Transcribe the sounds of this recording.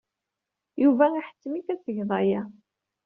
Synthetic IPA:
juvæiħə̥t͡sːmikæsəʝðˤɑjæ

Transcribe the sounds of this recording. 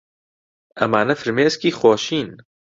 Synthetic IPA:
ɐ̰maːnɐfɨɾmeːskiːxwɔːʃiːn

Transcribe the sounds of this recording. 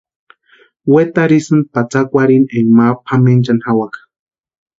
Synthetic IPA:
wet̪aɾisɨnd̪̚pat͡sakʷaɾineŋmapʰament͡ʃanhawakḁ

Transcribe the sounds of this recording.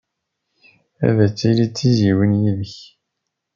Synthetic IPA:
æ̰ðæt͡sːilit͡sːiziwənjiðəç

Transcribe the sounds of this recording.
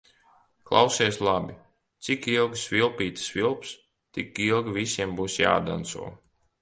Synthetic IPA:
klˠa̰wsɛslˠabʲi | t̪sikilˠɡsvʲilˠpʲiːt̪svʲilˠps | t̪ikilˠɡvʲisʲiɛmbuːsja̰ːd̪a̰nt̪sṵɔ

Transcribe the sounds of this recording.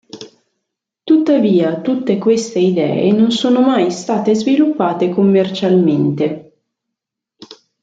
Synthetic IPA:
t̪ut̪ːaviːat̪ut̪ːekwest̪eid̪ɛ̰ːḛnonsoːnomajst̪aːt̪ezvilupːaːt̪ekomːert͡ʃalment̪e

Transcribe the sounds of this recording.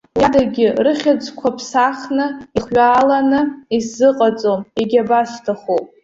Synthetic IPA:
jadaɡʲɪrɨχʲad͡zʼkʷʰapʰsaχnɨiχɥʷaːlanɨiszɨqʼat͡sʼomiɡʲabastʰaχopʼ

